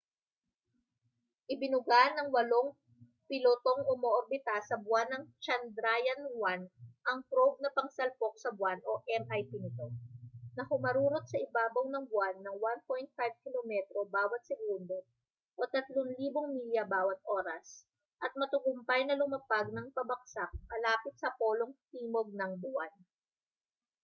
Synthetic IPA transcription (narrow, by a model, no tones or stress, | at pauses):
ʔɪbɪnʊɡanːɐŋwɐlo̞ŋ | pɪlot̪oŋʔʊmoʔoɾbɪt̪asːɐbwanɐŋt͡ʃɐnd̪ɾajɐnwanʔɐŋpɾob̚nɐpɐŋsɐlpok̚sɐbwano̞ʔɛmʔajpinɪt̪o̞nɐhʊmɐɾuːɾot̪̚sɐʔɪbaːbɐwnɐŋbʊanːɐŋwanpojnt̪̚fajv̚kɪlomɛt̪ɾo̞baːwɐt̪̚sɛɡund̪o̞ | ʔot̪ɐt̪loŋliːboŋmiljɐbaːwɐt̪̚ʔo̞ːɾɐs | ʔɐt̪̚mɐt̪ʊɡʊmpɐjnɐlʊmɐpaɡ̚nɐŋpɐbɐk̚saʔ̚mɐlaːpɪt̪̚sɐpo̞ːloŋt̪iːmoɡ̚nɐŋbʊʔan